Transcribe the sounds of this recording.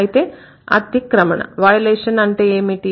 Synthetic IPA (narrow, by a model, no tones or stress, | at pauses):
jit̪eː | ɐ̰t̪jikːɾɐmɐɳɐ̰ʋɐjɐleːʂɐnɐɳʈeːeːmiʈi